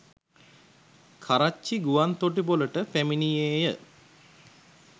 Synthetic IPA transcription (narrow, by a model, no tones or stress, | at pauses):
kʰaɾat͡ʃːiɡuʋant̪oʈiboləʈəpæminijeːjə